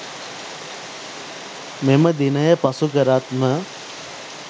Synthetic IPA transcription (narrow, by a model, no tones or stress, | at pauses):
meməd̪inəjəpasukəɾat̪mə